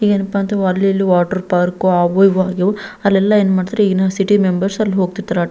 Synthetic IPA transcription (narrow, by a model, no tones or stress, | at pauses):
ɦiːɡenupːaːnt̪eɐlːiɐlːiʋaːʈɐɾpaːɾkoaːʋɐjʋaːɡoɐlːɛlːɐeːnmaːɽt̪ɾeiːɡnasiʈimembɐɾsɐlːiɦo̞ːɡ̚t̪iɾt̪aɾa